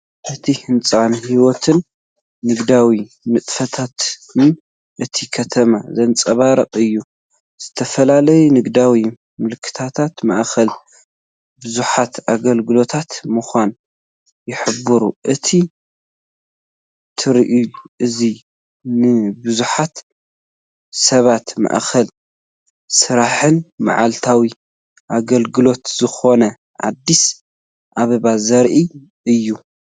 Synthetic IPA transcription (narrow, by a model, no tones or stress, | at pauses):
ʔɨt̪ʰihɨnt͡sʼanhiwɔt̪ʰɨnː | ɨɡd̪awi | mɨt̪ʼfɐt̪ʰat̪ɨn | ʔɨt̪ʰikʰɐt̪ʰɐmazɐnt͡sʼɐβaɾɐqʼɨjːu | z̥ɨt̪ʰɐfɐlalɐjunɨɡd̪awi | mɨlɨkʰːɨ̥t̪ʰat̪ʰat̪maʔxɐl | bɨzuħat̪aɡɐlɡɨlo̞t̪ʰat̪mɨxʷan | jɪħɨbːɨɾuʔɨt̪ʰi | t̪ʰɨɾʔuʔɨzi | nɨbɨzuħat̪ | sɐβat̪ma̰ʔxʰɐl | sɨɾaħɨnma̰ʕalt̪ʰawi | ʔaɡɐlɡɨlo̞t̪z̥ɨxo̞nɐ | ʔa̰d̪ːis | ʔaβɐβazɐɾʔi | ʔɨjːu